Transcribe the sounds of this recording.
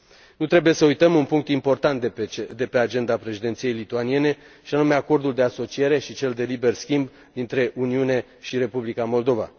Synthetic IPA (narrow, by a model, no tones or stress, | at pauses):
nut̪ɾe̞bujesəujt̪əmunpuŋk̚t̪impo̞rt̪ant̪d̪e̞pe̞ad͡ʒe̞nd̪apɾe̞ʃid̪e̞nt̪sije̞jlit̪uanie̞ne̞ | ʃianume̞ako̞rd̪uld̪e̞aso̞t͡ʃije̞ɾe̞ʃit͡ʃe̞ld̪e̞libe̞rskʲimb | d̪int̪ɾe̞ʔuniune̞ | ʃiɾe̞publikamo̞ld̪o̞va̰